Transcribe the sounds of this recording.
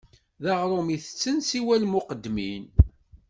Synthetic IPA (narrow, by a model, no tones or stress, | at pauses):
ðɑʁɾˤomiθə̥t͡sːənsiwælmʊqəd̪ːmin